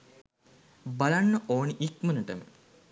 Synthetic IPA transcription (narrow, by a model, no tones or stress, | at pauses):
balanːəʔoːniʔikmənəʈəm